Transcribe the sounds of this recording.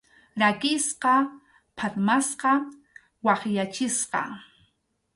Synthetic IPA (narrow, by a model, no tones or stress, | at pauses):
ɾakɪsqɑ | pʰaɾmasqɑ | wɑχjat͡ʃɪsqɑ̰